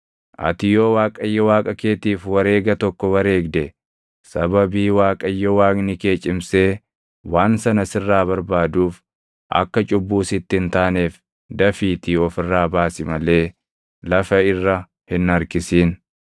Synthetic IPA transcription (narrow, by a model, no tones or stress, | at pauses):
ʔɐ̰t̪ɪjo̞ːwaːkʼɐjːɐwaːkʼɐke̞ːt̪iːfwɐɾe̞ːɡɐt̪ɔkːɔwɐɾe̞ːɡd̪ɛ | sɐbɐbiːwaːkʼɐjːɐwaːɡnɪke̞ːt͡ʃʼɪmseː | waːnsɐnɐsɪrːaːbɐɾbaːd̪uːf | ʔɐ̰kːɐt͡ʃʼʊbːuːsɪt̪ːɪɪnt̪aːneːf | d̪ɐfiːt̪iɔfɪrːaːbaːsɪmɐle̞ː | lɐfɐɪrːɐ | hɪnɐɾkɪsiːn